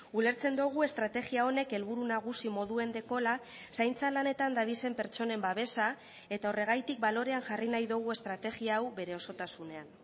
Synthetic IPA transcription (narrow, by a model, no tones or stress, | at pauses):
ule̞ɾt͡se̞nd̪uɣ̞ue̞st̪ɾat̪e̞ɣiao̞ne̞ke̞lβuɾunaɣ̞usimo̞ðue̞nd̪e̞ko̞la | sajnt͡salane̞t̪and̪aβise̞mpe̞ɾt͡so̞ne̞mbaβ̞e̞sa | e̞t̪ao̞re̞ɣ̞ajt̪ik̚balo̞ɾe̞aŋʝarinajðuɣ̞ue̞st̪ɾat̪e̞ɣiaːwβe̞ɾe̞o̞so̞t̪asune̞an